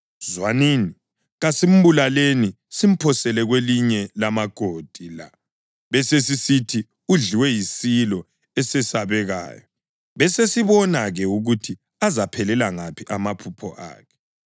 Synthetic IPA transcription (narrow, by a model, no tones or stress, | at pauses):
zwaniːni | ɣasem̩βulaleni | sim̩pʰɔsɛlɛɣweliɲɛlamaɡ̥ʱod̥ʱila̰ | βɛses̬isitʰi | uɮiwɛjisilɔ | ɛsɛsaβɛɣa̰ːjɔ | βɛsesiβɔnaɣɛuɣutʰi | azapʰɛlɛlaŋapʰiʔamapʰupʰɔ̰ʔa̰ːkʰɛ̥